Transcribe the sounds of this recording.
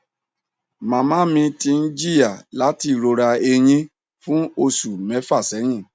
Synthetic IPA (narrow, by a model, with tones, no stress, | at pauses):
mã˨˧mã˦mĩ˧ti˧n̩˦d͡ʒi˦ja˦˨la˨˦ti˦˧˨ɾo˧ɾa˧e˧j̃ĩ˧ | fũ˦o˧su˨mɛ̃˨˦fa˦˨sɛ˨˦j̃ĩ˦˨